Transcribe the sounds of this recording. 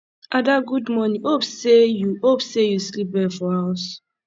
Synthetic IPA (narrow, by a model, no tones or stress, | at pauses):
ʔadaɡudmɔnĩhopsejuopsejuslip̚bɛfɔhaas